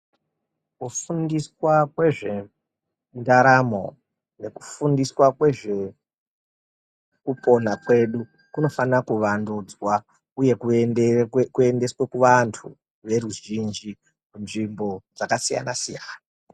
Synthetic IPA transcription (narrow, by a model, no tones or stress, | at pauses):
kufundiswakwe̞ʐe̞ | ndaɾamo̞ | ne̞ku̥fundiswakwe̞ʐe̞ | kupo̞n̤akwe̞ɗu | kuno̞fanakuʋanduːd͡zwa | uje̞ku | kue̞nde̞swe̞kuʋantʰu | ʋe̞ɾuʒind͡ʒi | munʐimbo̞d͡zakasija̰nasijaːna